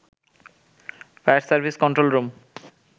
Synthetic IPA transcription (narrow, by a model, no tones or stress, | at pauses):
faɾsaɾbʱiskɔnɳʈɾolɾom